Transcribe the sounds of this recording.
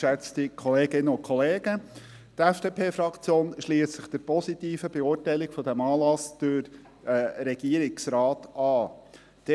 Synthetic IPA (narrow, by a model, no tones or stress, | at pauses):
ʃɛt͡stikʰɔleːɡɪnːəʊnkʰχɔleːɡ̥ə | t̪ɛfd̥eːpʰeːfɾɑkt͡sjoːnʃliːəssɪχd̥̪əɾpɔsit̪iːfəbɛʊːtæɪlɪkfɔdæmɑːlɑsd̪̥øɾ | ɾɛɡ̥iːəɾɪksɾɑːtɑː | d̥ɛ